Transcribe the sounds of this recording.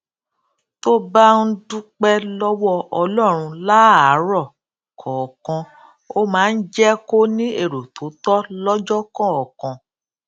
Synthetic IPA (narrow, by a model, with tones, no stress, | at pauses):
to˦ba˦n̩˦du˦k͡pɛ˦lɔ˦wɔ˦ɔ˧lɔ˦˨ɾ̃ũ˧la˦a˨˦ɾɔ˦˨ | kʰɔ̃˨kɔ̃˧ | o˦mãː˦˧n̩˦d͡ʒɛ˦ko˦nĩ˦e˦˨ɾo˨to˨˦tɔ˦lɔ˦d͡ʒɔ˦kɔ̃˦˨ɔ˨kɔ̃˧